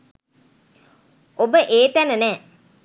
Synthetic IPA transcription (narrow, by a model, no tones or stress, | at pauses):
obəʔeːt̪ænənɛː